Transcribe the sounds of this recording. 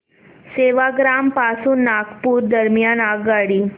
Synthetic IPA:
seʋaɡɾampasuːnːakpuːɾd̪əɾmjanaɡaɽiː

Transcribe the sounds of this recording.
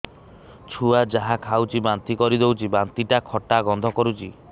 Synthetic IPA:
t͡ʃʰuad͡ʒaɦakʰawt͡ʃʰibant̪ikɔɾid̪ewt͡ʃʰibant̪iʈakʰɔʈaɡɔnd̪ʱɔkɔɾut͡ʃi

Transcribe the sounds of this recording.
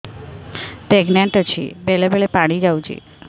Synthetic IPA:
peɡnaɳʈɔt͡ɕʰḭbelebeɭepaɽ̃id͡ʑawt͡ɕʰḭ

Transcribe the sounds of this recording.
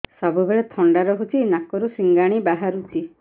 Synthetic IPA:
sɔbubeɭet̪ʰɔɳɖaɾɔɦut͡ʃʰinakɔɾusiŋɡaɽ̃ibaɦaɾut͡ʃʰi

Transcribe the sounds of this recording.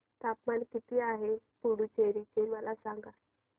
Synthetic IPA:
t̪apmankit̪iːaɦepuɽut͡ɕeɾit͡ɕeməlasãŋɡa

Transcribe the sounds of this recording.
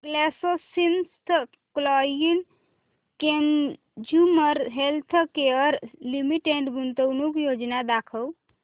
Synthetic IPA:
ɡlɛsosinst̪ʰ | klɔjil | ken | d͡ʒuməɾɦelt̪ʰkeəɾlimiʈeɳʈɡunt̪əwnukjod͡ʒnad̪akʰəw

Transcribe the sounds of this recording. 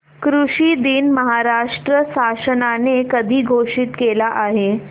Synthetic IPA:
kɾuʂid̪inməɦaɾaʂʈɾəsasənanekəd̪ʱiːɡʱoʂit̪kelaʔaɦe

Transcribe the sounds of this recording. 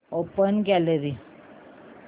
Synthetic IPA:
opənɡɛleɾi

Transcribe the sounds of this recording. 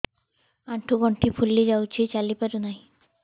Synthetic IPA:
aɳʈʰuɡɔɳʈʰipʰulːed͡ʑawt͡ɕʰet͡ɕalipaɾunaj

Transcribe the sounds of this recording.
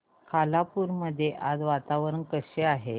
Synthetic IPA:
kʰalapuɾməd̪ʱːjeʔad͡zʋat̪aʋəɾənkəɕeaɦe

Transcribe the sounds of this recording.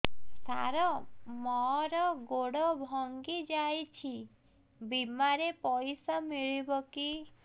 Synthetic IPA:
sa̰ɾɔmɔɾɔɡoɽɔbʱɔŋɡid͡ʒajt͡ʃʰi | bimaɾepɔjsɔmiɭibɔki

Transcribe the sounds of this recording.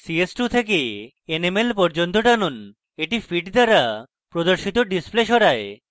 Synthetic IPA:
siesʈut̪ʰeke | enemelpɔɾd͡ʑont̪oʈanon | eʈifiʈd̪aɾa | pɾod̪oɾʃit̪oɖispleʃɔɾae

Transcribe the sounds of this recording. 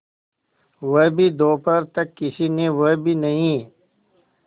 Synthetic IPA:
wɐbʱid̪oːpʰɐɾt̪ɐkːɪsinewɐbʱinɐɦĩ

